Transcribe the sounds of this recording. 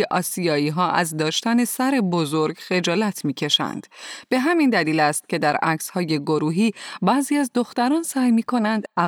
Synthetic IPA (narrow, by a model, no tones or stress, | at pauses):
eʔɒːsijɒːiːɦɒːʔæ̰zd̪ɒːʃt̪æne̞sæɾe̞bozo̞ɾɡxe̞d͡ʒɒːlæt̪ʰmiːcʰe̞ʃæ̰nd̪̥b̥e̞ɦæmind̪æliːlæst̪̚cʰe̞d̪æɾæcshɒːje̞ɡoɾuːɦiːbæːziːæzd̪o̞xt̪æɾɒːnsæːjmiːkʰo̞nænd̪æ